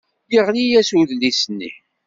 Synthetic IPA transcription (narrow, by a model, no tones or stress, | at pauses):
jəʁlijæsuðlisənːḭ